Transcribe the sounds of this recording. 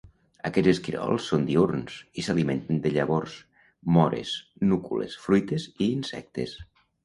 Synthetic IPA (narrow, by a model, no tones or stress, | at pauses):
əkɛd͡zeskiɾḛɔ̰lˠsːond̪iuɾnsisaliment̪ənd̪əʎəβors | mɔɾḛsnukulḛsfɾujt̪eziːnsɛ̰k̚t̪es